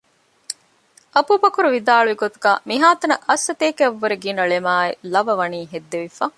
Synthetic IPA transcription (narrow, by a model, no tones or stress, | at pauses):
ʔɐpubɐkuɾuʋid̪aːɭuʋiɡot̪uɡa̰ːmiɦaːt̪ɐnɐʔɐsːɐt̪eːkeɐʋːɐɾeɡinɐɭemaːelɐʋɐʋɐniːɦed̪ːeʋifaː